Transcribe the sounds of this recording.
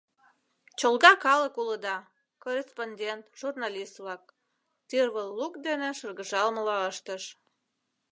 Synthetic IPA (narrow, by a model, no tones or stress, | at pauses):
t͡ɕolɣɑkɑləkuləd̪ɑ | koresponʲd̪ʲent̪ʒ̥urnɑlʲist̪vlɑk̚ | t̪irβəllukd̪eneʃərɣəʒɑlməlɑəʃt̪əʃ